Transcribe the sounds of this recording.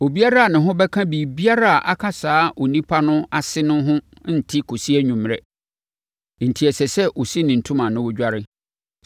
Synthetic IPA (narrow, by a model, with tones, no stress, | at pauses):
o˨bi˦a˦ɾa˦a˨nɪ̃˨ɦʊ̃˦bɛ˦kʰã˦bi˨bi˦a˦ɾa˦a˨ʔa˨kʰa˦saː˦ʔo˨nĩ˦pʰa˦nʊ̃˦a˨sɪ˦nʊ̃˦ɦʊ̃˦ | n̩˨tʰɪ˦kʰo˨si˦ɛ˦ɲũ˨m˨ɾɛ˦ | n̩˨tʰi˨ɛ˨sɛ˨sɛ˦ʔo˨si˦nɪ̃˨n̩˨tʰũ˦mã˨nʊ̃˦wʊ˦d͡ʑᶣa˦ɾɪ˦